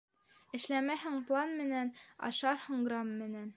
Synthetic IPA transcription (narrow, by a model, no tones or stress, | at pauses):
ɘ̆ʃlæmæhɘŋplˠɑnmɘ̆nænɑ̰ʃɑɾhɤɴɡrɑmːɘ̆næn